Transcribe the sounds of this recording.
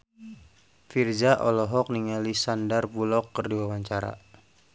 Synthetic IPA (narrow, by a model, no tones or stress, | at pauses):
fird͡ʒaʔɔlɔɦɔk̚niŋalisandarpulɔkːərdiwawaɲt͡ʃaɾa̰